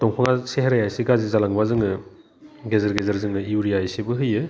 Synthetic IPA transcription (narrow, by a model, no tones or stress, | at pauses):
tɔŋpʰaŋaseɦaɾajajsiɡazizalaŋbazɯŋɯ | ɡezɐɾɡezɐɾzɯŋɯiuɾijajsibɯɦɯjɯ